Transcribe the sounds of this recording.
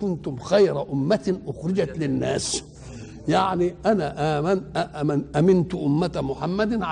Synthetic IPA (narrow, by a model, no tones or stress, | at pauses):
ʊnt̪ʊmxajɾaʔʊmːæt̪ʔʊxɾɪd͡ʒat̪lɪnːæːs | jaʕniʔænæʔaːmanʔʔʔæmɪnt̪ʊʔʊmːat̪mʊħamːæd̪ʕ